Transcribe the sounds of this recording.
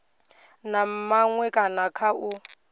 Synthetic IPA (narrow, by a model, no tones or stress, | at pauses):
nam̩maŋwɛkʼanakʰaʊ